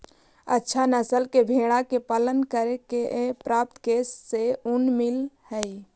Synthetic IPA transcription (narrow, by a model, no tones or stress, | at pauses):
ə̰tːʃʰanəsəlkebʱeɽ̃akepələnkəɾekeʔepɾap̚t̪kesːeunmilhəj